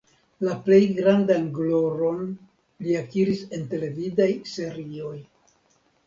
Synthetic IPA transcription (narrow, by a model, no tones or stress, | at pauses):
laple̞jɡɾandanɡlo̞ɾo̞n | liakiɾise̞nte̞le̞vidajse̞ɾio̞j